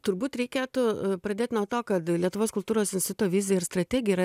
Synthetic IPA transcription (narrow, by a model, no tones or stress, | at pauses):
t̪ʊɾbuːt̪ɾʲɛɪkʲeːt̪ʊpɾɐd̪ʲeːt̪ʲnuɔt̪oːkɐt̪lʲiɛt̪ʊʋoːskʊlˠt̪uːɾoːsɪnʲsʲt̪ʲɪt̪ʊt̪ːʋʲɪːzʲɪjɛɪɾst̪ɾɐt̪ʲæːɡʲɪjɛɾɐ